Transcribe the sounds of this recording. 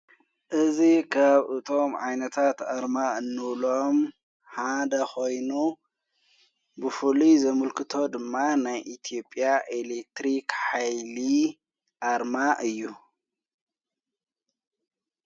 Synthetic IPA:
ʔɨzikʰaβʔɨt̪ʰo̞mʕajnɐt̪ʰat̪aɾmaɨnːɨβlo̞m | ħad̪ɐxo̞jnu | bɨfɨlizɐmɨlkʰɨt̪ʰo̞d̪ɨmːanajʔit̪ʰijo̞pʼijaʔelek̚t̪ɾikħajli | ʔaɾmaʔɨjːu

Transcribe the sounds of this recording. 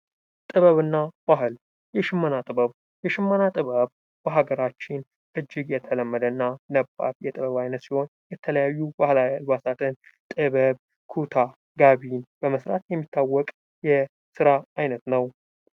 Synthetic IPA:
t̪ʼɨβəβɨnːab̥ahɨl | jɛʃɪmːənat̪ʼɨbəβ | jɛʃɪmːənat̪ʼɨβəβ | b̥əɦaɡəɾat͡ʃːɪn | ʔɨd͡ʒːɪɡjɛt̪ʰələmːəd̪ənːanəbːa̰ɾjɛt̪ʼɨβəβajnət̪siho̞njɛt̪ʰələjajːubahlaalbasat̪ʰɨnt̪ʼɨβəβ | kʰut̪ʰa | ɡaβinbəməsɾa̰t̪jɛmːit̪ʰːawːɔkʼ | jɛ | sɨɾaajnət̪nəw

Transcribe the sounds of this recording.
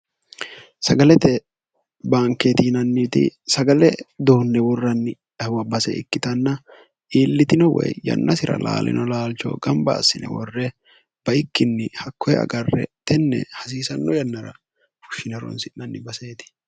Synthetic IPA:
sɐɡɐlɛt̪ɛ | baːŋkːet̪iːnɐnːit̪ɪ̰sɐɡɐlɛd̪oːnːɛwɔrːɐnːɪ | wɐbɐsɛ̰ɪ̰kːɪt̪ɐnːɐ | ʔiːlːɪt̪ɪnɔwɛ̰jjɐ̰nːɐsɪɾɐ̰la̰ːlʔɪ̰nɔlaːlt͡ʃɔ̰ɡɐmbɐ̰ːsːɪnɛ̰wɔrːɛ | b̥ɐɪkːɪnːɪhɐkːɔjɛ̰ɐ̰ɡɐrːɛ̰t̪ɛnːɛ̰hɐs̬iːsɐnːɔjɐnːɐɾɐ̰ | fʊ̥ʃːɪnɛɾɔ̰nsɪnɐnːɪbɐseːt̪ɪ̥

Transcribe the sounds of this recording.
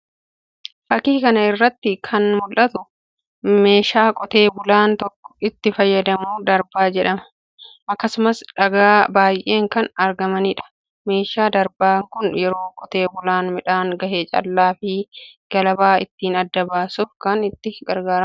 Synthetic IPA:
fɐkiːkɐnɐɪrːɐt̪ːɪkʰɐnmʊlʔɐt̪ʊ | me̞ːʃaːkʼɔt̪e̞ːbʊlaːnt̪ɔkːɔ̥ɪt̪ːɪfɐjːɐd̪ɐmuːd̪ɐɾbaːd͡ʒɛᶑɐmɐ̥ | ʔɐkːɐsʊmɐsᶑɐɡaːbaːjʔeːŋkɐnɐɾɡɐmɐniːᶑɐ̥ | me̞ːʃaːd̪ɐɾbaːŋkʊnjɛɾo̞ːkʼɔt̪e̞ːbʊlaːnmɪᶑaːŋɡɐheːt͡ʃʼɐ̰lːaːfɪɡ̥ɐlɐbaːɪ̰t̪ːiːnɐd̪ːɐbaːsuːfkɐnɪt̪ːɪɡɐɾɡaːɾɐm

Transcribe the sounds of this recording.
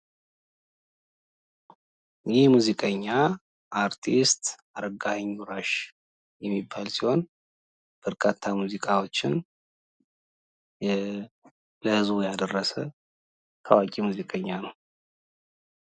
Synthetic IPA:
jɪhmuzikʼəɲːa | ʔaɾt̪ʰist̪ | aɾəɡahəɲːuɾaʃ | jɛmːibːalsiho̞n | b̥əɾkʼʰat̪ʰːamuzikʼawo̞t͡ʃːɪn | ləhɨzbujad̪ərːəsə | kʰa̰wakʼimuzikʼəɲːanəw

